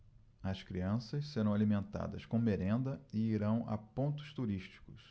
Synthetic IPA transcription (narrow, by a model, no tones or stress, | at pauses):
ɐskɾiɐ̃sɐsseɾɐ̃w̃alimẽnt̪a̰d̪ɐ̰skõmeɾẽnd̪ɐɪiɾɐ̃w̃ʔɐ̰põnt̪ʊ̥st̪uɾiʃt͡ʃi̥kʊs